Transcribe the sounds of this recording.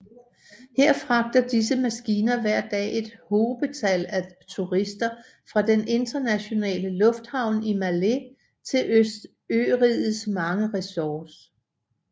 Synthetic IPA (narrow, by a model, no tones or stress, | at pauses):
heɐ̰fʁɑ̈ɡ̥̚d̥ɐd̥is̬əmæsɡ̥iːnɐʋæɐ̰d̥ɛ̰ːʔe̝d̥hoːb̥ət͡sʰælæt͡sʰuʁisd̥ɐ | fʁɑ̈d̥ene̝nd̥ɐnæɕo̝nɛ̰ːləlɔ̽fd̥hɑ̈ʊ̰nimæle | t͡sʰe̝løsd̥ | øːʁiðˠð̩ˠsmɑ̈ŋəʁɛsɒːs